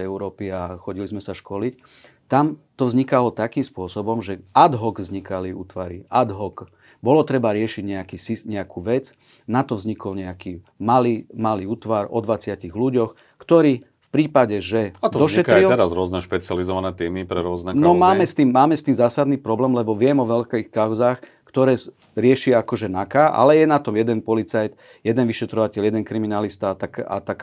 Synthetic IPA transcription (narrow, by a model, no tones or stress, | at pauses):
ɛʊɾɔːpiaxɔɟilizmɛsaʃkɔlic | t̪amt̪ɔvzɲikalɔt̪akiːmspʊɔsɔbɔmʒɛad̪ɦɔɡvzɲikaliṵːt̪ʋaɾiʔad̪ɦɔk | bɔlɔt̪ɾɛbaɾɪɛʃiɟɲɛakisiɲɛakʰuːʋɛt͡s | nat̪ɔvzɲikɔlɲɛaki | malimaliuːt̪ʋaɾɔ̰d̪ʋat͡sɪaciɣluɟɔx | kt̪ɔɾiː | fpɾiːpaɟɛʒɛat̪d̪ɔɔʃɲɛtk̪ɾilɛɾazɾʊɔznɛʃpɛt͡sɪalizɔʋanɛt̪iːmipɾɛɾʊɔznɛknɔmaːmɛst̪iːmːaːmɛst̪iːmzaːsad̪niːpɾɔblɛːmlɛbɔʋɪɛmɔʋɛlkɛxkaʊzaːx | kt̪ɔɾɛː | ɾɪɛʃɪakɔʒɛnakaːʔa̰lɛjɛnat̪ɔmjɛd̪ɛnpɔlit͡sajt̪ | jɛd̪ɛnʋiʃɛt̪ɾɔʋacɛljɛd̪ɛnkɾiminalist̪at̪aka̰t̪ak